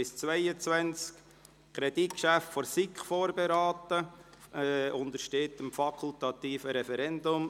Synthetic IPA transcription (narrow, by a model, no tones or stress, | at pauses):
ɪst͡svæɪət͡sʋɛnt͡sk | kʰɾɛd̥it̚kʃæftfɔɾsɪkχfoːɾbeɾɑːtə | ʊnd̪əɾʃteːtəmfɑkʰʊltɑt̪iːfəɾɛfɛɾɛndʊm